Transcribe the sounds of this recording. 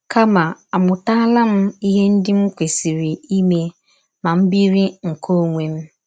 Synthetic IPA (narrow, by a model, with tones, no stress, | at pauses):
ka˦ma˨a˨mʊ˨ta˦la˦m̩˦i˦ɦe˦n̩˦dɪ˦m̩˦kʷe˨si˨ɾi˨i˦me˦ | ma˨m̩˦bi˦ɾi˦ŋ̩˨kʰo˦ŋʷe˦m̩˦